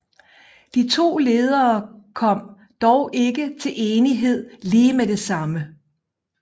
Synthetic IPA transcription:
d̥it͡sʰo̝̰ːle̝ːð̞ˠɐːkʰɒ̽m̰ | d̥ɒʊʔe̝ɡ̥ət͡sʰe̝lʔe̝ːniɦe̝ð̰ˠliːmed̥e̝sɑ̈mə

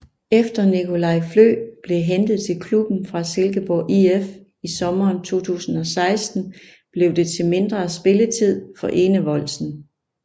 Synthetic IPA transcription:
efd̥ɐnikʰo̝lɑ̈ɪflø̰ːb̥le̝ɦend̥ð̩ˠt͡sʰe̝lkʰlub̥n̩fʁɑ̈selɡ̥əb̥ɒːʔief | isɒ̽mɐːnt͡sʰo̝̰ːt͡sʰṵːsn̩ɒ̽sɑ̈ɪsd̥n̩ | b̥le̝ʊd̥e̝t͡sʰe̝lme̝nd̥ʁɐsb̥e̝lət͡sʰið̞̰ˠfɒ̽ʔe̝ːnəʋɒ̽l̰sn̩

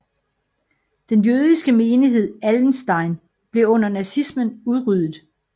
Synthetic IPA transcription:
d̥enjøːð̞ˠisɡ̥əme̝ːniɦe̝ð̞̰ˠæln̩sd̥ɑ̈ɪn | b̥le̝ɔ̽n̰ɐnæsismənuðˠʁyð̰ˠð̩ˠ

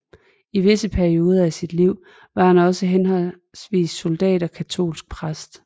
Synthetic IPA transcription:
iʋe̝səpʰæɐio̝ːð̞ˠɐæsid̥liʊ̰ | ʋɑ̈hænɒ̽səɦenɦɒ̽l | sʋḭːsso̝ld̥ɛ̰ːɾɒ̽kʰæt͡sʰo̝̰ːlsɡ̥̚pʰʁasd̥

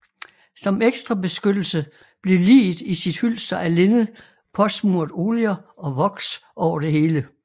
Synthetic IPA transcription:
sɒ̽meɡ̥sd̥ʁɐbe̝sɡ̥ød̥l̩sə | b̥le̝lḭːisid̥hyl̰sd̥ɐʔæle̝nð̩ˠ | pʰɒ̽smuɐ̰d̥o̝ːliɐɒ̽ʋɒ̽ɡ̥sʔɒʊ̰ɐd̥e̝ɦe̝ːlə

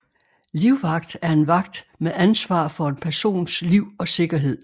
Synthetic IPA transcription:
liʊʋɑ̈ɡ̥d̥æɐe̝nʋɑ̈ɡ̥d̥meʔænsʋɑ̰̈ːfɒ̽e̝npʰæɐso̝̰ːnsliʊ̰ɒ̽se̝ɡ̥ɐɦe̝ð̞̰ˠ

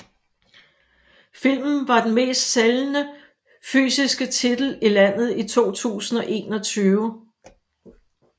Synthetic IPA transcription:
fil̰mn̩ʋɑ̈d̥en̩me̝̰ːsd̥selnə | fy̰ːsisɡ̥ət͡sʰid̥l̩ilæn̰ð̞̩ˠit͡sʰo̝̰ːt͡sʰṵːsn̩ɒ̽ʔe̝̰ːnɒ̽t͡sʰyːʊə

